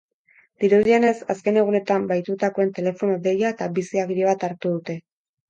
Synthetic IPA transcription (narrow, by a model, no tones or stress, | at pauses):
d̪̥iɾuðiene̞saske̞ne̞ɣ̞une̞t̪ambajt̪ut̪ako̞e̞nt̪e̞le̞fo̞node̞jaet̪abisiaɣiɾieβ̞at̪aɾt̪uð̞ut̪e̞